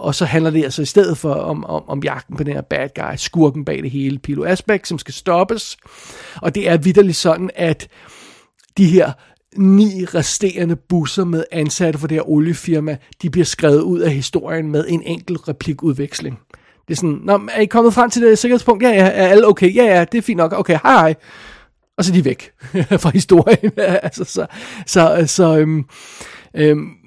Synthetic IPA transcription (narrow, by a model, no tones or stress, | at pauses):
ʔɒ̽sɒ̽ɦænlɐd̥e̝ælsɒ̽isd̥eð̞̰ð̩ˠfɒ̽ɒmmɒ̽mjɑ̈ɡ̥d̥n̩pʰɒd̥enhḛɐ̰b̥æd̥̚ɡ̥ɑ̈ɪd̥sɡ̥uɐɡ̥n̩b̥ɛ̰ːd̥e̝ɦe̝ːləpʰilo̝æsb̥eɡ̥sɒ̽msɡ̥æsd̥ɒ̽b̥əs | ʔɒ̽d̥e̝æɐʋid̥ɐlisɒ̽d̥n̩æd̥ | d̥iɦeɐ̰ | nḭːʁasd̥e̝̰ːɐnəb̥usɐmeðˠænsæɾ̥əfɒd̥eheɐʔoljəfiɐmæd̥ib̥liɐsɡ̥ʁɛːʊð̞̩ˠuð̰ˠæɦisd̥o̝ɐ̰jənmeð̞ˠe̝nʔeŋ̰ɡ̥l̩ʁɛpʰliɡ̥uðˠʋeɡ̥sle̝ŋ | d̥e̝ɐsɒnnɒæɐikʰɒ̽mð̩ˠfʁɑ̈m̰t͡sʰe̝d̥eseɡɐheðˠpɔ̽ŋ̰d̥jæjææɐæləoʊkʰeɪjæjæd̥e̝æɐfḭːnd̥ɒ̽ɡ̥oʊkeɪhɑ̈ɪhɑ̈ɪ | ʔɒ̽s̬ɒd̥iʋeɡ̥fʁɑ̈hisd̥o̝ɐ̰jənælsɐsɒ̽sɒ̽sɒ̽øm | øm